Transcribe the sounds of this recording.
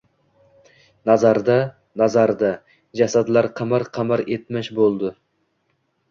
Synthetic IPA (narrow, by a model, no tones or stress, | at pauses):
nazaɾd̪a | nazaɾd̪a | d͡ʒasad̪laɾqʰɑmaɾqʰɑmaɾet̪maʃbolˠd̪ɪ